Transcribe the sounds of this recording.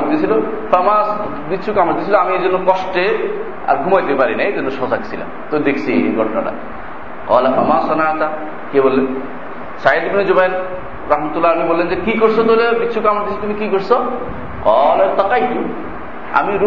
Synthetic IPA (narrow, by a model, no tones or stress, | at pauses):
d̪iesʰilo | fʰamas | bitːʃʰukamaɾd̪isʰiloamied͡ʒonːokɔʃʈe | a̰ɾɡʱumajt̪epaɾinaed͡ʑɔnːoʃɔsaksʰila̰mt̪od̪ekʰsʰiḛɡʱɔʈna̰ɽa̰ | kɔ̰ːlafamasanat̪a | kebolːen | said̪bned͡ʑobajl | ɾaɦmat̪ulːaamibolːend͡ʑekikoɾsʰot̪olebitːʃʰukamaɾd̪isʰit̪umikikoɾsʰo | qɔlat̪ɔkajt̪u | a̰miɾu